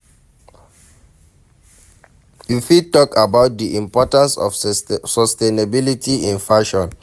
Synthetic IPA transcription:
jifitɔkabaʊt̚diʔĩmpɔtãnsɔ̰fsɔstenabilitiĩnfaʃɔ̃n

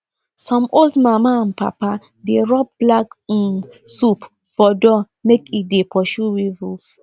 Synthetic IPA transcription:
sɔ̃moldmamaãnpa̰pa | deɹɔp̚blak̩sup | fɔdɔ | mekit̚depʰɔʃuwivus

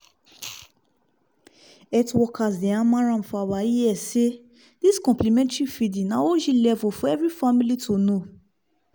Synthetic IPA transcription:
ɛtwɔkas̬dɛ̃ãmãɾ̃ãm̩fawaijɛse | d̥iskɔ̃mplimɛ̃ntifidĩnãwoʃilɛvɔfũɛvɾifamĩlitʰono

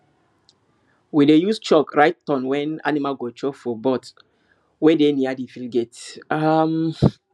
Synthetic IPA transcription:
widejust͡ʃɔkɹaɪtːɔ̃nwɛ̃na̰nimaɡɔt͡ʃɔkfɔbɔt | wedeniadifilɡetam

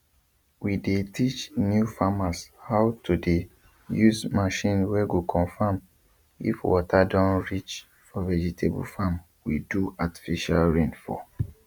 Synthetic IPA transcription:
widetʰit͡ʃnjufamashaʊtude | juzmaʃĩnwɛɡokʰɔ̃nfam | ḭfwɔ̰tʰadɔ̃nɹit͡ʃ | fɔvɛd͡ʒitʰebṵfam | wḭduati̥fiʃa̰lɹẽnfɔ̰

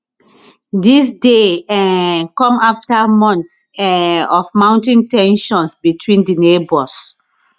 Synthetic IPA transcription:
disdeɛkɔ̃maftamɔ̃ntsɛɔfmãʊ̃ntĩntɛ̃nʃɔ̃nsbitʰwĩndinebɔs

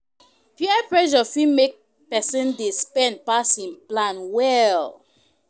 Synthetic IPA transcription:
pjiɛpɹɛʃɔfimek̚ | pɛsĩndespɛ̃nd̚pasĩnplãnwɛl

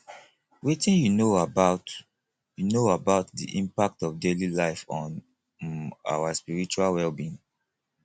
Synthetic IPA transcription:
wetĩnjunoabaʊt | junoabaʊtdḭʔĩmpak̚tɔfdelilaɪfɔ̃n | a̰waspiɹit͡ʃualwɛlbĩn

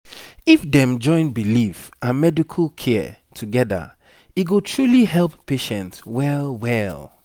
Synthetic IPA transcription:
ifdɛ̃md͡ʒɔ̃ɪ̃nbilifãnmɛdikʰəlkʰɛ | tʰuɡɛdə̰ | iɡotʰɹuliɦɛlˠpːeʃɛ̃ntwɛlwɛlˠ

